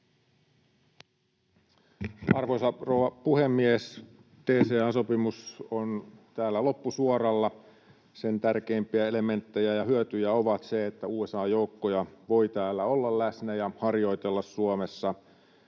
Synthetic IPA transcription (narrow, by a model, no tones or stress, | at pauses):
ʔɑrʋosɑrouʋɑpuhemːies | t̪eːseɑːnso̞pimusont̪æːlːælo̞pːusuorɑlːɑ | se̞nt̪ærkeːmpiæe̞le̞me̞nt̪ːe̞jæjɑhyøt̪yjæo̞ʋɑt̪seet̪ːæuːe̞sɑːjo̞ukːojɑʋo̞ijt̪æːlːæo̞lːɑllæsnæjɑhɑrjo̞it̪e̞lːɑssuomesːɑ